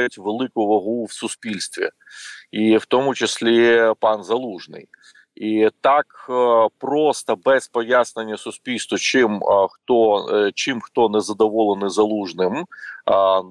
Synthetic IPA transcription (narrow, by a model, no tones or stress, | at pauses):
jʊtʲʋelˠɪkʊʋɐɦuwsʊsʲpʲilʲst̪ʋʲḭ | iwt̪ɔmʊt͡ʃɪsʲlʲipɑnzɐlˠuʐnɪ̰j | it̪ɑkpɾɔst̪ɐbɛspɔjasnenʲːɐsʊsʲpʲilʲst̪ʋɐt͡ʃɪmxt̪ɔt͡ʃɪmxt̪ɔnɛzɐd̪ɔʋɔlˠenɪzɐlˠuʐnɪm